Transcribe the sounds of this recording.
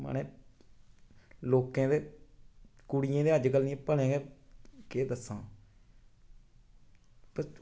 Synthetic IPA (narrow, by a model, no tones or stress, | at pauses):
mə̰neː | loːkãːd̪eː | kʊɽɪjãːd̪eːəd͡ʒkəlniẽːpəɽẽːɡeːkeːd̪əsːãː | pə